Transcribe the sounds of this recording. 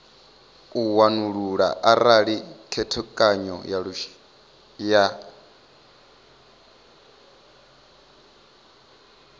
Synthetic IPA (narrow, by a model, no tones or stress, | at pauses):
uwanuɺuɺa̰ʔaɾaɺikʰɛtʰɔkʼaɲɔ̰jaɺuʃi̥ | ja